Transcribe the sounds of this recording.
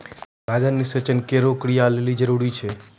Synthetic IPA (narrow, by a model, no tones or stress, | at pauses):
ɾaɡənːisət͡ʃənkeɾokɾijalelid͡ʒəɾuɾit͡ʃʰe